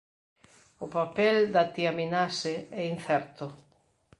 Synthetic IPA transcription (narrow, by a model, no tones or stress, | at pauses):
ʊpapɛld̪at̪iaminasɪɛin̟θɛɾt̪ʊ